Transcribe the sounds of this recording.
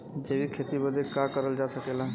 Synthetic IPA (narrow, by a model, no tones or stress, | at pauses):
d͡ʒeːbikʰeːt̪ibəd̪ʱekakəɾəld͡ʒaːsəkeːla